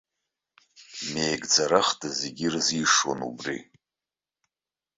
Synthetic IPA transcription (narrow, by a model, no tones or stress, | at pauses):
me̞jɡd͡zaɾaχdazeɡʲirziʂwo̰nṵbrḭ